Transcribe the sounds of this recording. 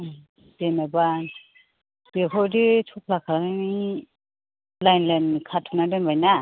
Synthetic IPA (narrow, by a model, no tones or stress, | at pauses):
d̥enaba | b̥ekʰɔditʰupʰlakʰaani | lajnlankʰatʰunadɔnbajna